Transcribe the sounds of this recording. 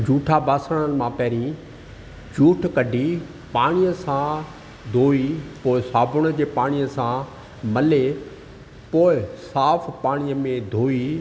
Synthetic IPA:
d͡ʑuːʈʰabaːsəɽ̃ən̆mãpɛːɾĩ | d͡ʑuːʈʰkɐɖʱi | paːɽ̃ijəsã | d̪ʱoːipoːɪsaːbʱʊɽ̃̆d͡ʑeːpaːɽ̃ijəsã | mɐle | poːɪsaːfpaːɽ̃ijəmẽd̪ʱoːi

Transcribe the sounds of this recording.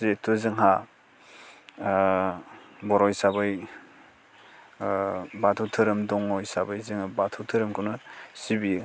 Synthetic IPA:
zetʰuzɯŋɦa | bɔɾɔjsabɯj | batʰutʰɯɾɯmdɔŋɔjsabajzɯŋbatʰuwtʰɯɾɯmkʰɯnɯsibi

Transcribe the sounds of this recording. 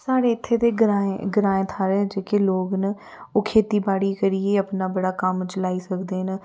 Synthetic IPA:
saːɽeːɪt̪ʰːeːt̪eːɡɾaːẽɡɾaːẽːt̪ʰaːɾeːd͡ʒeːkeloːɡnə | oːkʰeːt̪iːbaːɽiːkəɾieːəpnaːbəɽaːkəmt͡ʃəlaːiːsəkd̪eːn

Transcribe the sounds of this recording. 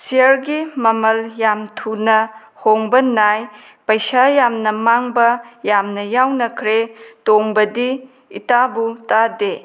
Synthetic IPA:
sijɐɾɡimɐmɐljamtʰunɐ | hoŋbɐnaj | pɐjsajamnɐmaŋbɐjamnɐjawnɐkʰɾetoŋbɐdi | itabutade

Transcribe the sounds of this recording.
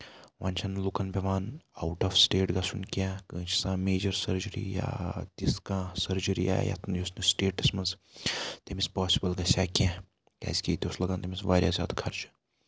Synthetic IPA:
ʋaːnʲt͡ʃʰɐnlukɐnpʲeʋaːna̰wʈɐfsʈeːʈɡɐsunkʲakət͡ʃʰi̥sãːmeːd͡ʒɐɾsɐɾd͡ʒəɾḭja̰t̪iskãsɐɾd͡ʒəɾḭa̰ːj̰ja̰t̪ʰnjosnisʈeːʈɐsmɐnzt̪ʲemispaːsi̥bɐlɡɐsaːkʲa | kʲa̰zkʲiːt̪ʲoslɐɡaːnt̪emisʋaːɾʲjasʲa̰ːt̪kʰɐɾt͡ʃɨ̥

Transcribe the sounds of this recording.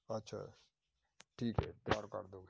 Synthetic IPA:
ɐtːʃʰa̰ː | ʈʰiːkɦɛ̰ːt̪jaːɾkə̰ɾd̪oːɡ

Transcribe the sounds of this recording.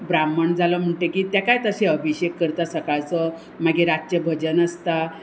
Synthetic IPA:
bɾaməɳd͡zaləm̤əɳʈekiːt̪jakajt̪əɕeəbʱiɕekːəɾt̪asəkaɭt͡sə | maɡeɾat͡ɕjəbʱəd͡ʑənəst̪a

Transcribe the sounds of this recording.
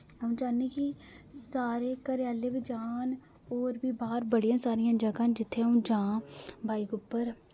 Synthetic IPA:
əũd͡ʒaːnẽːkisaːɾeːkəɾɪjaːleːbid͡ʒaːn | oːɾbiːbaːɾbəɽijãːsaːɾijãːd͡ʒəɡãːnd͡ʒɪt̪ʰːeaũːd͡ʒãːbʱaːikʊpːəɾ

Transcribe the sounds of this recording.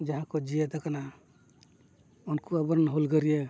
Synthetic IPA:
d͡ʒaɦãkɔd͡ʒied̪akana | unkuabɔɾnɦulɡəɾije

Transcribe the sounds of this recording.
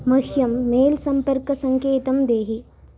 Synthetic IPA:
mɐhjɐmːeːlsɐmpɐɾkɐsɐŋkeːt̪ɐmd̪eːɦi

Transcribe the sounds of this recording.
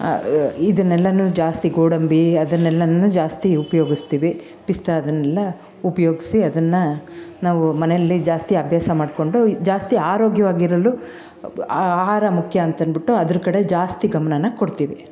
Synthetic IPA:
id̪ɐnːɛlːɐnud͡ʒaːst̪iɡoːɽɐmbiɐd̪ɐnːɛlːɐnud͡ʒaːst̪iupɐjo̞ːɡist̪iːʋi | pist̪ɐɐd̪ɐnɛlːɐ | upɐjoːɡisiɐd̪ɐnːɐnaːʋumɐnɛjɐlːid͡ʒaːst̪iɐbʱjaːsɐmaːɖko̞ɳɖud͡ʒaːst̪iaːɾoːɡjɐʋaːɡiɾɐlu | aaːɦaːɾɐmukʰjɐːnt̪ɐnbiʈːuɐd̪ɐɾukɐɽe̞d͡ʒaːst̪iɡɐmɐnɐnːɐkoɽt̪iːʋi

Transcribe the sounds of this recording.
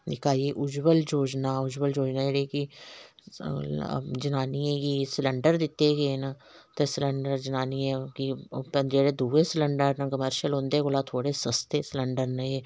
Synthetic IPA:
nɪkaːiʔʊd͡ʒbəld͡ʒoːd͡ʒnaːʊd͡ʒbəld͡ʒoːd͡ʒnaːd͡ʒeɽeki | d͡ʒənaːniẽkisɪlə̃ɳɖəɾd̪ɪt̪ːeɡeːna | t̪esɪləɳɖəɾd͡ʒənaːniẽkipəd͡ʒeːɽed̪ʱuːʋesɪlə̃ɳɖəɾnkəməɾʃəlɦõːnd̪eːkoːlat̪ʰoːɽesəst̪eːsɪləɳɖəɾnẽe

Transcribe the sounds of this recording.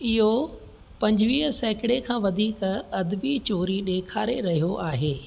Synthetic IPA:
ɪɦo | pɐ̃ɲd͡ʑʋiːɦsɛːkɪɽekʰãːʋɐd̪ʱiːkɐd̪bit͡ɕoːɾiɗeːkʰaːɾeɾɐɦijoʔaːɦeː

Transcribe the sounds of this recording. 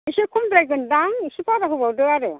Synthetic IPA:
isekʰumdɾajɡɯndaŋisipaɾaɦubawdɯaɾe

